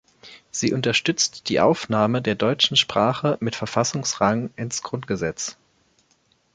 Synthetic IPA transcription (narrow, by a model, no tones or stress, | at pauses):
z̥iːʔʊntɐʃtʏt͡std̥iːʔa̰ʊfnaːmədeːɐdɔʏt͡ʃn̩ʃpʁ̥aːχəmɪtfɛɐfasʊŋsʁaŋnʔɪnsɡ̥ʁʊntɡ̥əzɛt͡s